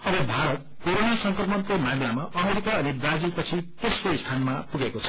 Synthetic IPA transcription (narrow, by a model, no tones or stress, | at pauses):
ʌbʌbʱaɾʌt̪̚koɾonasʌŋkrʌmʌnkomamlamaʔʌmeɾikaʌnibrad͡zilpʌt͡sʰit̪esroist̪ʰanmapuɡekot͡sʰʌ̥